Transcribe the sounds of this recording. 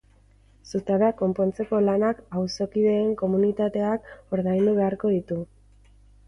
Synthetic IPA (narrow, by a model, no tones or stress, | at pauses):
sut̪aβako̞mpo̞nt͡se̞ko̞lanakawso̞kiðe̞ːŋko̞munit̪at̪e̞ako̞ɾðajnd̪uβ̞e̞aɾko̞ð̞it̪u